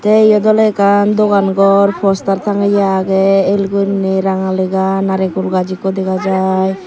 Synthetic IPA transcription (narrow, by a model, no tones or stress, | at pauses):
t̪ɛijɔd̪ɔlɛkand̪ɔkanɡɔɾpʰɔst̪aɾt̪ʰaŋajaɡɛelɡuniɾaŋalɛɡanaɾɛkulɡad͡ʒikɔd̪ɛɡad͡ʒaj